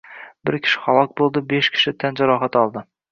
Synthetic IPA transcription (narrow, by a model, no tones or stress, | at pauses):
bɪɾkʲʰɪ̥ʃɪ̥χɒlˠɒk̚bolˠd̪ɪbeʃkʲʰɪ̥ʃɪt̪ʰand͡ʒaɾɒɦat̪ɒlˠd̪ɪ